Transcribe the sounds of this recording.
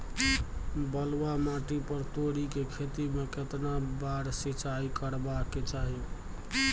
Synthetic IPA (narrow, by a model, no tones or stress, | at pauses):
bəlwamaʈipəɾt̪oɽikekʰet̪imeket̪nabaɾsit͡ʃaikəɾbakːet͡ʃaɦi